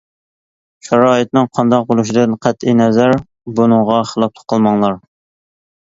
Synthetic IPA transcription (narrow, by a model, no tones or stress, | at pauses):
ʃɛɾɑːɨt̪nɨŋqʰɑnd̪ɑq̚bolˠuʃid̪ɨnqʰæt̪ʰinɛzæɾ | bunɨŋʁɑχəlˠɑp̚lˠʰə̥qʰəlˠmɑŋlˠɑɾ